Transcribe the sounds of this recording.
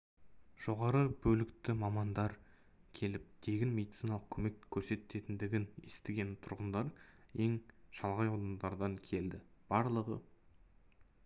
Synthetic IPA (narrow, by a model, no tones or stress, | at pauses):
ʒ̥o̞ʁɑɾəbɵlɪkt̪ɪmɑmɑnd̪ɑɾ | kʲʰe̞lɪp̚d̪̥ʰe̞ɡʲɪnme̞d̪it̪sinɑlˠəq̚kʲʰɵme̞kkʲʰːɵɾse̞t̪ːe̞t̪ɪnd̪ɪɡʲɪnest̪ɪɡʲe̞nt̪ʰʊɾʁənd̪ɑɾe̞ŋʃɑlˠʁɑjɑwd̪ɑnd̪ɑɾd̪ɑŋkʲʰe̞ld̪ɪb̥ɑɾlˠəʁə